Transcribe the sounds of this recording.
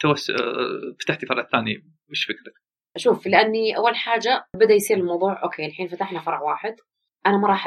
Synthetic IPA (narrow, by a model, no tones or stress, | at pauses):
t̪awasːfḁt̪aħt̪ifɑɾˤʕθaːni | mɪʃfɪkɾak | ʔaʃuːflɪʔanːiʔa̰wːalħaːd͡ʒabɪd̪ajsiːɾɪlmɑwðˤuːʕʔo̰ːkʰeːlħiːnfat̪aħlhafɑɾˤʕwaːħɪd̪ | ʔanamɑɾˤɑːħ